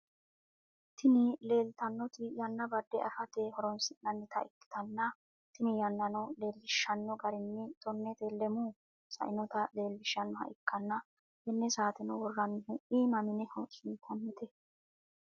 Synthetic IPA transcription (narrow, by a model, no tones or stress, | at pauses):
t̪ɪnɪle̞ːlt̪ɐnːɔt̪ɪjɐnːɐbɐd̪ːɛɐ̰fɐt̪ehɔɾɔnsɪnːɐnːɪt̪ʰɐɪkːɪ̥t̪ɐnːɐ | t̪ɪnɪjɐnːɐnɔle̞ːlːɪʃːɐnːɔɡɐɾɪnːɪt̪ɔnːɛt̪elɛmuː | sɐ̰ʔɪnɔt̪ɐle̞ːlːɪʃːɐnːɔɦɐ̰ʔɪkːɐnːɐ | hɛnːɛsaːt̪ɛnɔwɔrːɐnːɪhʊʔiːmɐmɪnɛhʊt͡ʃʼɪnt̪ʰɐnːɪt̪ɛ